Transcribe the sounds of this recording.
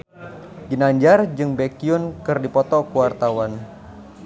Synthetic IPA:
ɡinaɲd͡ʒard͡ʒɨŋbekiʊnkɨrdipɔt̪ɔkuwart̪awan

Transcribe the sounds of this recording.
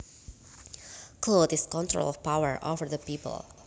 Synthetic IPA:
kʰlodɪskɔ̃ntʰɹo̰lˠɔv̥paʊə̰˞ʔo̰və˞ðəpipə̰l̩ˠ

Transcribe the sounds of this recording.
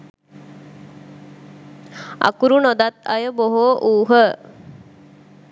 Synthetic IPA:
a̰kuɾunod̪at̪̚a̰jəboɦoʔuːɦə

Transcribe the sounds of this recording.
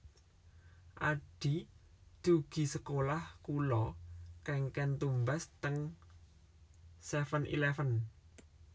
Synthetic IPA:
ʔaɖ̥i̤ | d̪̥uɡ̥i̤səkolahkulɔkɛŋkɛnt̪umbast̪əŋ | sɛfənʔḭlɛfən

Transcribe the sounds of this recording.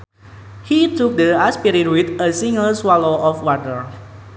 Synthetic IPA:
hit̪uk̚d̪əaspiɾiɾuit̪əsĩŋəlswaloʔɔfwatəɹ

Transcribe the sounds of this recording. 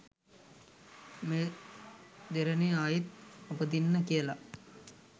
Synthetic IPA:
meː | d̪eɾəneaːjit̪̚apəd̪inːəkijəla

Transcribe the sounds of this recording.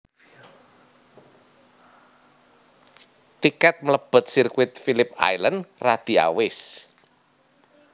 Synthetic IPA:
t̪ikat̪̚mələb̥ə̤t̪̚sirkwɪt̪̚filɪp̚a̰jlənrad̪̥i̤a̰wɪs

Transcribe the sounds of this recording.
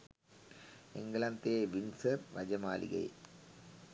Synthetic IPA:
ḛŋɡlɐnt̪eːʋinsɐrʋɐd͡ʑɐmaːlḭɣɐ̰j̰

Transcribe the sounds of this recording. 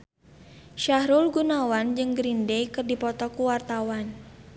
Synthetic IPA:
ʃahɾulɡunawand͡ʒɨŋɡɾindejkɨrdipɔt̪ɔkuwart̪awan

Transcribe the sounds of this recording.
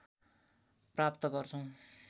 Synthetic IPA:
prapt̪ʌɡʌrt͡sʰʌw̃

